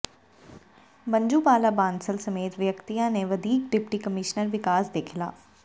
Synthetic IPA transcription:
bə̃ɲd͡ʒuːpaːlaːbãːnsəlsəmeːt̪ʋjəkt̪ijãneʋəd̪ʱiːk̚ɖɪpʈiːkəmɪʃnəɾʋɪkaːsd̪ekʰɪla̰ː

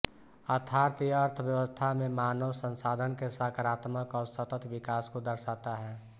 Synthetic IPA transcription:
ət̪ʰaːɾt̪iəɾt̪ʰəbjəwəst̪ʰamẽmaːnəwsə̃nsaːd̪ʱənkesakaɾaːt̪məkɔːɾsət̪ət̪ʋɪkaːskod̪əɾsaːt̪aɦɛː

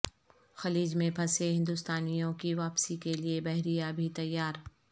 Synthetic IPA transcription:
xɐliːd͡ʒmẽpʰɐseɦɪ̃nd̪ʊst̪aːnijõkiʋaːpsikeliebɐɦɾijabʱit̪ɐjːaːɾ

